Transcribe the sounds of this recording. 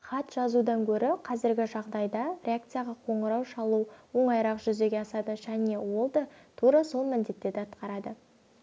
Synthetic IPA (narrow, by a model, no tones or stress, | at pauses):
χɑt̪ʒ̥ɑzud̪ɑŋkʲʰɵɾɪqʰɑzɪɾɡʲɪʒɑʁd̪ɑjd̪ɑɾʲeakt̪sɨjaʁɑqʰo̞ɴəɾɑwʃɑlˠuwo̞ɴɑjɾɑqʒʏze̞ɡʲe̞ɑsɑd̪əʒæne̞wo̞lˠd̪ət̪ʰuɾɑso̞lˠmɪnd̪e̞t̪ːe̞d̪ɪɑt̪qɑɾɑd̪ə